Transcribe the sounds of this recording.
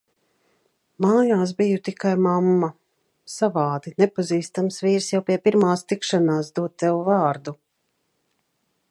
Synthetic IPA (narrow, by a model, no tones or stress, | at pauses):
maːjaːs̬bijut̪ikajmamːa | savaːd̪inɛpaziːst̪amsviːɾsjawpiɛpiɾmaːst̪ikʃanaːs̬d̪uɔt̪ːɛwuvaːɾd̪u